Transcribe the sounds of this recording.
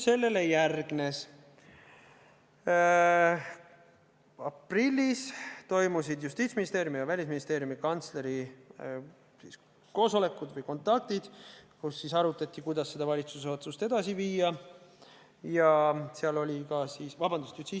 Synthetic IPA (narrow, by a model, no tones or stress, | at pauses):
se̞lːe̞lejærɡ̥ne̞s | ɑprilʲːist̪o̞jmusid̪just̪iːt̪sminist̪e̞ːɾjumijɑvælʲisminist̪e̞ːɾjumikɑnt̪sle̞ɾi | sis | ko̞ːso̞le̞kːud̪vɨjko̞nt̪ːˑɑk̚t̪id̪̥kusːisɑɾut̪ːˑɑt̪ʲːˑikujd̪̥ɑsːe̞d̪̥ɑvɑlʲit̪suseo̞t̪sust̪e̞d̪̥ɑsiviːjɑ | jɑseɑlo̞lʲikɑsiːsvɑbɑnd̪̥ust̪jut̪iː